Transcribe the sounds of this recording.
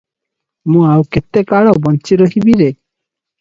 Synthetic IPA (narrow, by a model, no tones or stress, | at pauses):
mũawket̪ːekaɭɔbɔnt͡ʃiɾoɦibiɾe